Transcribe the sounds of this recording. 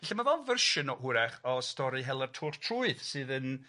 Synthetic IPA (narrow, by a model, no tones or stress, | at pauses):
vaɬamavɔvərʃɨnɔhʊɾɛχɔstɔɾiɦɛlˠərtʰʊːrtʰruɨðsɨːðən